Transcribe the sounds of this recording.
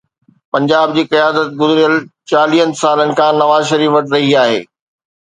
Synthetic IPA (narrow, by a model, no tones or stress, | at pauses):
pɐ̃ɲd͡ʑaːb̚d͡ʑiːkɐjaːd̪ət̪̚ɡʊzɾijəlt͡ɕaːliɦə̃nsaːlənɪ̆kʰãːnɐʋaːzʃɐɾiːfɐʈɾɐɦiaːɦḛː